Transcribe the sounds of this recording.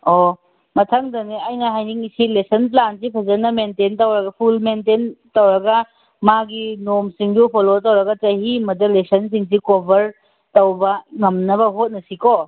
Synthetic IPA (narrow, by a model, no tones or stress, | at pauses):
o | mɐtʰɐŋdɐniɐjnɐɦajniŋsilesɐnp̬lansipʰɐzɐnɐmententɐwɾɐɡɐpʰulmententɐwɾɐɡɐ | maɡinomsiŋdupʰolotɐwɾɐɡɐtɐɦimɐdɐlesɐns̬iŋs̬ikobʱɐɾ | tɐwbɐŋɐmnɐbɐɦot̚nɐsiko